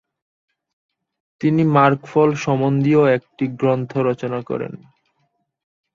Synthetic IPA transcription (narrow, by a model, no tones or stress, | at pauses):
t̪inimaɾkfɔlʃɔmond̪ioek̚ʈiɡɾont̪ʰoɾɔt͡ɕonakɔ̰ɾḛn